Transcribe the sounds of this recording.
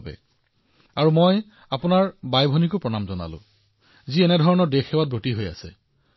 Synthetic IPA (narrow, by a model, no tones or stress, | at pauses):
bɛ̰ | aɹumoj | apʊnaɹbajbʱɔnikʊpɹɔnamzɔna̰lʊ̰̃ | ziɛnɛdʱɔɹɔnɔdexɛwat̚botiɦoja̰sɛ